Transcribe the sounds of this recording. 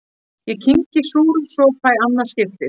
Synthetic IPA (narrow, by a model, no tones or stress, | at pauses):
jɛcʰiɲcɪsuːɾʏmsɔkʰvajanːḁscɪft̪ɪ